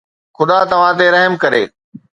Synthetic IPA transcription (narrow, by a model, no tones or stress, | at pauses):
xʊd̪at̪ɐʋ̤ãt̪̬eɾɐɦmkɐɾḛː